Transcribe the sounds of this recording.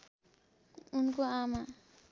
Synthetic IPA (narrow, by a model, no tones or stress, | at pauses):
unkoama